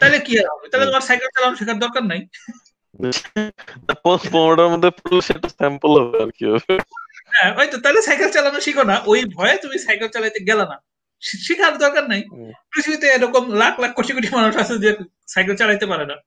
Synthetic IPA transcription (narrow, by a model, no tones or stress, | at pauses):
t̪aɦjlekiaat̪alet̪omaɾsajkelt͡ɕalanoʃikʰaɾd̪ɔɾkaɾnaj | bet͡ʃʰnapɔpɔmɖaɾmod̪ʱːepuɾloʃeʈasɛmpulɔbea̰ɾkio | ɦɛ̃ɦɔjt̪ot̪aɦilesajkelt͡ɕalanoʃikʰonaʔojbʱɔeet̪umisajkelt͡ɕalajt̪eɡɛlana | ʃʃikʰaɾd̪ɔɾkaɾnajpɾit̪ʰibit̪eeɾɔkomlakʰlak̚ʰːoʈikoʈimanuʃasʰed̪iek | sajk̬elt͡ɕalajt̪epaɾena